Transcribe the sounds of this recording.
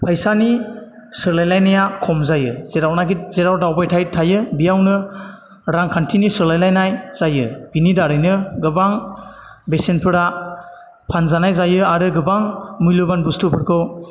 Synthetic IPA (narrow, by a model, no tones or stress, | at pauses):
pʰajsani | sɯɾlajlajnajakʰɔmzajɯzeɾawnaɡit̚zeɾawdawbajtʰajtʰajɯbijawnɯ | ɾaŋkʰantʰinisɯɾlajlajnajz̥ajɯb̥inidaɾɯjnɯɡɯbaŋ | besenpʰɯɾa | pʰanzanajzajɯaɾɯɡɯbaŋmujlubanbustupʰɯɾkʰɯw